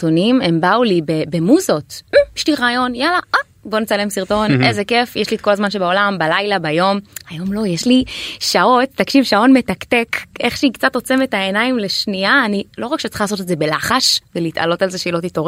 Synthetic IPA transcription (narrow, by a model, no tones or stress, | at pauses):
tonime̞mbaulibebemuzo̞tm̩ʃtiʁaːjo̞njalaʔa | bo̞net͡sale̞msiʁt̪o̞nʔezekefjeʃlit̪ko̞lazmanʃebao̞lambalajlabajo̞majo̞mlo̞jeʃliʃao̞tːakʃivʃao̞tme̞takte̞kʔe̞χʃeikt͡sat̪o̞t͡se̞metae̞naimle̞ʃniaːnilo̞ʁakʃet͡sḁχalaso̞t̪etze̞belaχaʃveliːt̪a̰lo̞talzeʃeilot̪itoʁ